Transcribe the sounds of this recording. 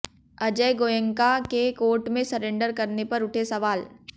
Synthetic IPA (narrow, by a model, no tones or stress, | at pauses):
ɐd͡ʒəjɡoːjə̃ŋkakekoːɾʈmẽsɐɾẽːɳɖəɾkɐɾnepɐɾʊʈʰesɐʋaːl